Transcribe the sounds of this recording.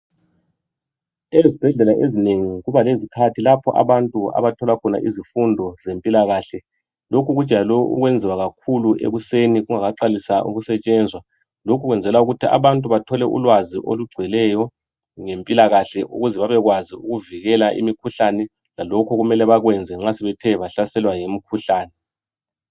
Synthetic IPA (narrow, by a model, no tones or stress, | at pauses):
ezib̥ʱɛɮɛlaʔezineŋiɣuβalezikʰatʰilapʰɔʔa̰βantʼua̰βatʰɔlakʰɔna̰ʔḭzifundʱɔzempʼilaɣaɬɛ | lokʰuɣu̥t͡ʃʼalɔʔṵɣwɛnd͡zʱiwaɣakʰuluʔḛɣuseniɣuŋaɣaǃalisaʔṵɣusɛt͡ʃʼɛnd͡zʱwa | lokʰuɣwɛnd͡zʱɛlauɣutʰiʔa̰βantʼuβatʰɔlɛʔṵlwaziʔo̰luɡ͡ǀʱwɛlɛjɔ | ŋempʼilaɣaɬɛʔṵɣuzɛβaβɛɣwaziuɣuviɣɛlaʔḭmikʰuɬanɛ | lalɔkʰɔɣumɛlɛβaɣwɛnd͡zʱɛŋ͡ǁasɛβɛtʰɛβaɬasɛlwajemikʰuɬaːnɛ